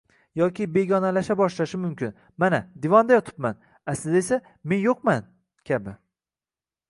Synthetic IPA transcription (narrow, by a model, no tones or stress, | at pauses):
jɒkʲʰɪbe̞ɡʲɒnalaʃabɒʃlaʃɪmʊmkʲʰɪn | manad̪ɪvɒnd̪ajɒt̪ʰɪ̥p̚man | asɪzesa | me̞njoqman | kʲʰabɪ